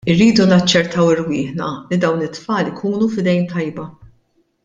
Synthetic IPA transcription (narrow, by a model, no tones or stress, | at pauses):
ɪrːiːd̪unɐt͡ʃːɛɾt̪ʰɐwɪɾwɪːħnɐlid̪ɐwnɪt̪ːfɐːlɪkʰuːnufɪd̪ɛjmt̪ɐjbɐ